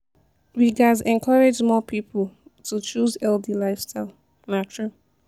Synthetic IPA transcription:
ɹiɡazɛ̃nkʰɔɹed͡ʒmɔpʰipəl̩tut͡ʃuzɛldilaɪfstʰaɪlˠ | natʰɹu

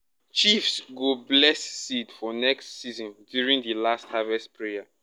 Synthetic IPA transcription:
t͡ʃifsɡoblɛsːitfɔnɛkstsizɔ̃ndjuɹĩŋdəlasthavɛstpɹea

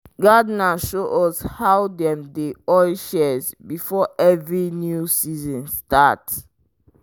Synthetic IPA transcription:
ɡadnaʃoʔɔshawdɛ̃mdeɔʃɛz | bifɔʔɛvɹinjusizɔ̃nstat

